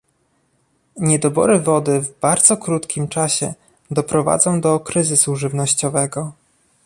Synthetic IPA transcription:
ɲɛd̪ɔbɔ̰ɾɘvɔd̪ɘvbaɾd̪zɔkɾut̪kʲimt͡ʂaɕɛ̰ | d̪ɔpɾɔva̰d̪zɔ̃w̃d̪ɔkɾɘzɘsuʐɘvnɔɕt͡ɕɔvɛɡɔ

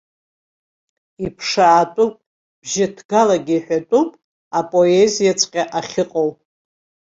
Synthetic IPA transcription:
ipʰʂaːtʼupʼ | b̥ʒɪdʰɡalaɡʲiːħʷᶣatʷʼupʼ | apʼo̞ezijat͡sʰʼqʲʼaʔaχʲɪqʼowʼ

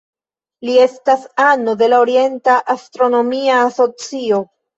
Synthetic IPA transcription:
lie̞stasano̞de̞laoɾie̞ntaʔastɾo̞no̞miaːso̞t͡sio̞

